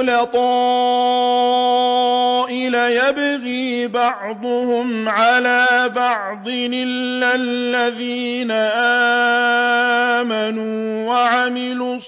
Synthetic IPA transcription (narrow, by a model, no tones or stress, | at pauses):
lat̪ˤɑ | ʔɪlajabɣiːbɑʕd̪ˤʊhʊmʕalaːbɑʕd̪ˤɨnɪlːalːaðiːnaʔaː | manuːwaʕamɪluː